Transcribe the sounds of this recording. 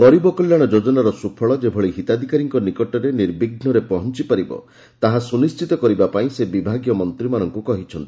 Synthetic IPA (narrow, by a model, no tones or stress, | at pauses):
pɔɾibɔkɔljaɽ̃ɔd͡ʒod͡ʒɔnaɾɔsupʰɔɭɔd͡ʒebʱɔɭiɦit̪ad̪ʱikaɾiŋkɔnikɔʈɔɾeniɾbiɡʱnɔɾepɔɦɔnt͡ʃipaɾibɔ̰ | t̪aɦasunist͡ʃit̪ɔkɔɾibapaĩsebibʱaɡjɔmɔnt̪ɾimanɔŋkukɔɦit͡ʃʰɔnt̪i̥